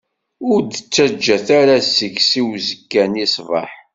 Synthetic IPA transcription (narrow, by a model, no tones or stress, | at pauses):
ʊɾd̪ət͡sːæd͡ʒːæθaɾasəçsiwzəkːænisˤvɑ̰ħ